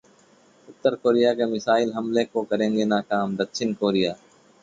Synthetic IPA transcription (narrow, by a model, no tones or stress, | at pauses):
ʊt̪ːəɾkoːɾijakemɪsaːɪlɦɐmlekokɐɾẽːŋɡenaːkaːmd̪ɐkʃɪnkoːɾijaː